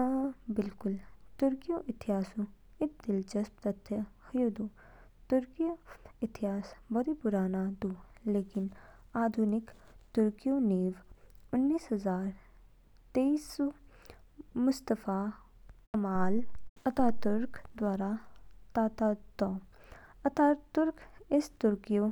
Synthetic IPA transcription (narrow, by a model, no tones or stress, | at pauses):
bɪlkʊlt̪ʊɾkijõʔɪt̪ɪɦaːsũ | ɪk̚d̪ɪlt͡ʃəsbt̪ət̪ʰːəhʊjod̪ũːt̪ʊɾkijoɪt̪ɪɦaːsbɐɾipʊɾaːnad̪uːleːkɪnaːd̪ʱuːnɪkt̪ʊɾkijõːneːʋʊnːiːsɦəzaːɾ | t̪eːiso | mʊst̪əfaː | kɐmaːlɐt̪aːt̪ʊɾkd̪waːɾat̪aːt̪aːt̪ɔː | ɐt̪aːt̪ʊɾkɪst̪ʊɾkijo